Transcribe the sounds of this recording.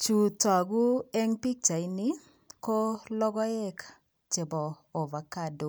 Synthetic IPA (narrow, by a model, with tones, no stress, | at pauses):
t͡ʃu˨ta˨ɡu˦ɛ˦ŋpi˦k̚t͡ʃa˨ɪ˦nɪ˦ | kɔ˦lɔ˦ɡɔ˦ɛ˦k | t͡ʃe˨bɔː˨ | va˨ka˦˨do˨